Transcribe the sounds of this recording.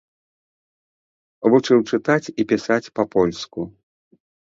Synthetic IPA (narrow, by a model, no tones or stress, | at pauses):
vut͡ʂɨwt͡ʂɨt̪at͡sʲipʲisat͡sʲpɐpɔlʲsku